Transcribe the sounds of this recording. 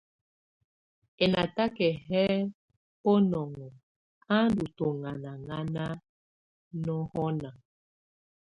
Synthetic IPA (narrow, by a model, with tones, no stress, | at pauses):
ɛ˨na˨ta˦kɛ˨hɛ˦ | po˦nɔ˨ŋɔ˨ | a˦n˦du˨to˨ŋa˨na˨ŋa˦na˦ | nɔ˦hɔ˦na˨